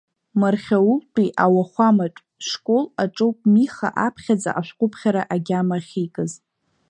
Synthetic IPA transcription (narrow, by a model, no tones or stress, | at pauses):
marχʲawuqʷʼiʔawaχʷamaʈ͡ʂʼ | ʂkʷʼo̞laʈ͡ʂʼowpʼmiχa̰ʔapʰχʲad͡zʼa̰ʔaʃʷᶣqʷʼʊpʰχʲaɾaʔaɡʲamaχʲikʼɨz